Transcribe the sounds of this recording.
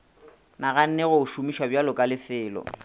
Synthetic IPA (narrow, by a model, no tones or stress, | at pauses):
naɣan̩nɛɣʊʊʃumiʃwabjalʊkʼalɪfɪːlɔ̰